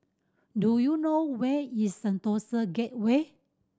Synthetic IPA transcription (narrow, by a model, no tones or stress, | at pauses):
dujunowɛisə̃nt̪osəɡɛt̚we